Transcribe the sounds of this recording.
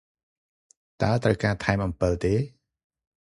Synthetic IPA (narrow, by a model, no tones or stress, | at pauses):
t̪aət̪rəwkaːt̪ʰaɛmʔɑmpɨlt̪eː